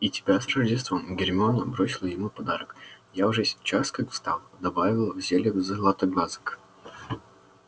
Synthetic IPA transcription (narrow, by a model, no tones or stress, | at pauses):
itʲɪ̥bʲasrəʐdʲɪst̪vəmɡʲɪrʲmʲonəbɾosʲɪlˠəjɪmupɐd̪aɾək | jaʊʐɛsʲt͡ɕːaskakst̪a̰lˠd̪ɐbavʲɪlˠvzʲelʲɪɡzəlˠat̪əɡnazɨ̥k